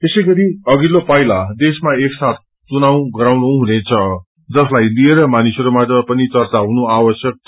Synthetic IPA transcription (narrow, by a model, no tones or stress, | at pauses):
t̪esʌjɡʌɾiʌɡilopʌjlad̪esmaeksat̪̚ʰ | t͡sunaw̃ɡʌɾawnuɦunet͡sʰʌ | d͡zʌslajlieɾʌmanisʌɾumatʌpʌnit͡sʌrt͡saɦunuawʌsjʌk̚ʰ